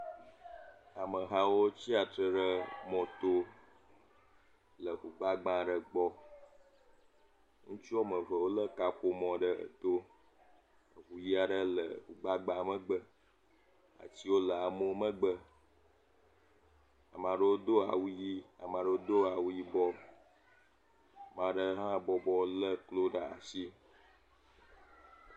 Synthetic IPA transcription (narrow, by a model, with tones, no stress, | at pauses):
a˨mə̃˨ɦã˦wo˦t͡ɕi˦a˨t̪ɾə˨ɖə˦mɔ̃˨t̪o˦ | lə˨xu˨ɡ͡ba˦ɡ͡bã˦ɖə˨ɡ͡bɔ˦ | ŋũ˦t͡ʃi˦ɔ˦mə̃˨və˨wo˦lə˦ka˨ɸo˦mɔ̃˨ɖə˦ə̰˨t̪o˦ | ə˨ɣu˨ji˦a˨ɖə˦lə̰˨xu˨ɡ͡ba˦ɡ͡bã˨mə̃˦ɡ͡bə˦ | a̰˨t͡ɕi˦wo˦lə˨a˨mõ˦mə˦ɡ͡bə˦ | a̰˨mã˨ɖə˦wo˦d̪o˦a˨wu˦ji˦a˨mã˨ɖə˦o˦d̪o˦a˨wu˦ji˦bɔ˦˨ | mã˨ɖə˦ɦã˦bɔ˨bɔ˦lə˦klo˦ɖa˨a̰˨si˦